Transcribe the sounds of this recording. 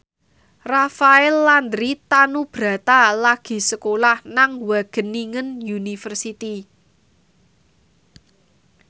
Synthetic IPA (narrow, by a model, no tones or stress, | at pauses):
rafaɛlːand̪ɾit̪anub̥ɾä̤t̪alaɡ̥i̤səkolahnaŋwaɡ̥ə̤nːiŋənjunifərsit̪i